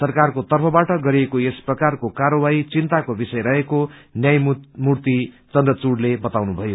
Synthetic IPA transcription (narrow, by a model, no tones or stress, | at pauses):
sʌrkarkot̪ʌrpʰʌbaʈʌɡʌɾiekoesprʌkarkokaɾʌbait͡sint̪akobisʌjɾʌɦekonjajmurt̪i | t͡sʌnd̪rʌt͡suɽlebʌt̪awnubʱʌjo